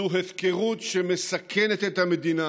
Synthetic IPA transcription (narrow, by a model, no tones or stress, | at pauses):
uɦefkeʁut̪ʃemesakʰenet̪et̪hamed̪ina